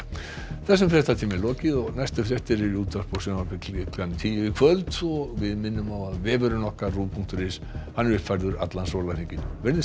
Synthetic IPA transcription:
θɛs̬ʏmfɾɛst̪at̪ʰiːmɪlɔːcɪðɔɣnajst̪ʏfɾɛht̪ɛɾɪɾjuːt̪aspowsœːmaɾpɪklklamt̪ʰiːjɪvɪkʰvœlt̪ɔɣvɪðmɪnːʏmawaðvɛːvʏɾʏnɔhkaruːpʰuŋkt̪ʏɾɪs | hanːɛɾʏpfaɾðʏɾa̰t̪lansɔwlvaɾiɲcɪnvɛɾðɪ

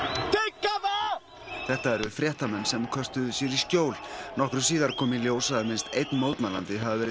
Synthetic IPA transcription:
t̪ekːava | θɛht̪aɛɾʏfɾjɛht̪amɛnːsɛmkʰœst̪ʏðʏsjɛɾisc̪joːwlnɔhkɾʏs̬iːðaɾkʰɔːmiljoːwsaðmɪnst̪ejt̪nmowt̪nala̰nt̪ɪɦavɪvɛːɾɪ

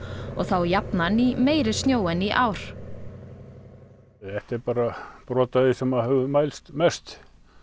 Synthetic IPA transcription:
ɔɣθawjapnanimeːjɾɪ̥st̪njoːwɛniʔawɾ̥ | ɛht̪ɪɾpaːɾapɾɔːt̪aðɪsɛmahɛvʏmaːjlst̪mɛst̪

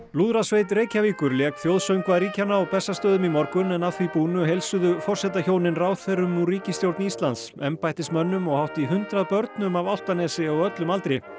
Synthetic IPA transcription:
luːðɾasveːjt̪̬ɾeːjcaviːkʏɾljɛːkθjowðsœɥmkvaðɾiːcanaɔpɛsːast̪œːðʏmimɔɾkʏnɛnaðθvipuːnʏɦejlsʏðʏfɔr̥sɛt̪açoːwnɪnraːwθɛɾʏmuɾiːcɪst̪jowɾt̪nist̪lant̪sɛmpajht̪ɪst̪mœnːʏmɔɣhawht̪iɦʏnt̪ɾaðpœɾt̪nʏmavawl̥t̪anɛːsɪɔɣœt̪lʏmalt̪ɾɪ

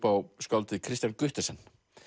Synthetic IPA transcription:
pawskawlt̪ɪkʰɾist̪jankʏht̪ɛsɛnː

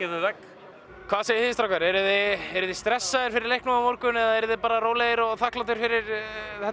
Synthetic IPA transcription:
ɛɪðak | kʰvaːðsejɪθɪst̪ɾawkvaɾɛɾʏðɪɛɾʏðɪst̪ɾɛsːaðɪɾ̥fɪɾɪɾlejhknaamoɾkʏnɛðaɛɾʏðɪpaːɾaroːwlejɪɾɔɣθahklawt̪ɪɾ̥fɪɾɪɾθɛt̪

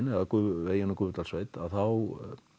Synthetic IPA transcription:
nɛðakʏveːjɪnakʏːvʏt̪alsveːjt̪aðθaw

